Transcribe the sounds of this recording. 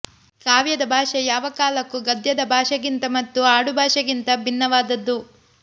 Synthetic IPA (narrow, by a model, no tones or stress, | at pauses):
kaːʋjɐd̪ɐbʱaːʂɐjaːʋɐkaːlɐkːuɡɐd̪jɐd̪ɐbʱaːʃɐɡint̪ɐmɐt̪ːuaːɽubʱaːʂɐɡint̪ɐbʱinːɐʋaːd̪ɐd̪ːu